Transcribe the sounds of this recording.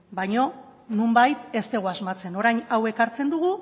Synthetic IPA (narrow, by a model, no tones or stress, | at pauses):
bajɲo̞numbajt̪e̞st̪e̞ɣoazmat͡se̞no̞ɾajɲawe̞kaɾt͡se̞nd̪uɣ̞u